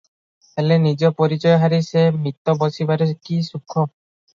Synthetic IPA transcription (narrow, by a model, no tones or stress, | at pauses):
elenid͡ʒɔpɔɾit͡ʃɔjɔɦaɾisemit̪ːɔbɔsibaɾekisukʰːɔ